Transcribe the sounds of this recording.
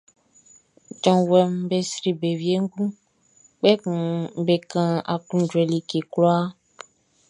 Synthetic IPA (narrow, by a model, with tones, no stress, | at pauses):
d͡ʒɔ̃˨wɛ˨m˦be˨sɾi˨be˨vi˨˦e˦ŋ̩˦ɡũ˦ | k͡pɛ˦kũ˨˦be˨kã˨a˨klũ˦d͡ʒwɛ˨li˨ke˨klɔ˦a˦